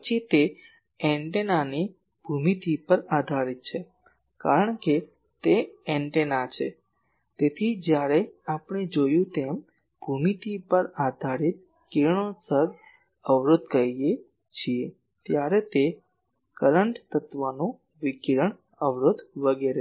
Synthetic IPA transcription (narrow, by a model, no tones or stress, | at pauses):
pət͡ʃʰit̪e | ɛɳʈenani | b̥ʱumit̪ʰipəɾad̪ʱaɾit̪̚t͡ʃʰe | ka̰ɾəɳke | t̪eɛ̃ɳʈenat͡ʃʰe | t̪et̪ʰid͡ʒjaɾeapəɳ̃ed͡ʒojũt̪em | b̥ʱumit̪ipəɾad̪ʱaɾit̪̚ | kiɾɳ̃osəɡ | əʋɾʊd̪̚kəɾie | t͡ʃʰie | t̪jaɾet̪e | kəɾəɳʈt̪ət̪ʋanũ | ʋikiɾəɳ | əʋɾod̪ʋəɡeɾe